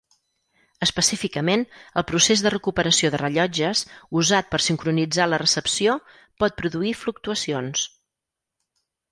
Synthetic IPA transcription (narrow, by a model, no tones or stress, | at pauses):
əspəsifikəmenəlˠpɾusezðərəkupəɾəsioðərəʎɔd͡ʒəsuzat̪̚pəɾsiŋkɾunid͡zalərəsəpsio | pɔt̪̚pɾuðuifluk̚t̪uəsions